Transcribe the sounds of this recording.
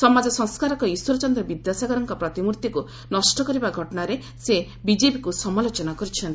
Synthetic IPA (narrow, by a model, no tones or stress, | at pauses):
sɔmad͡ʒɔsɔŋskaɾɔkɔiswɔɾɔt͡ʃɔnd̪ɾɔbid̪jasaɡɔɾɔŋkɔpɾɔt̪imuɾt̪iku | nɔsʈɔkɔɾibaɡʱɔʈɔnaɾe | se | bid͡ʒepikusɔmalot͡ʃɔnakɔɾit͡ʃʰɔnt̪i